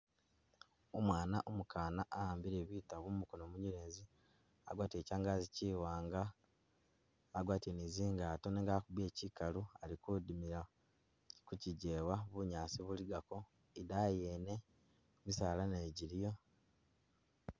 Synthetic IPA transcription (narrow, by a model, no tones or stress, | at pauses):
omwaːnaʔomukaːnaʔːhaːmbiɾe̞βiːtaβumukonoːmuɲiɾeːzi | a̰ɡwaːtie̞ːcaːŋɡaːziciːwaːŋɡa | ɡwaːtieniziːŋɡaːto̞neːŋɡakuβe̞ːcikalualikudimiɾa | kuciɟewaβuɲaːsiβuliɡako̞ | idajene̞ | misaːlaneːɟiɾijo̞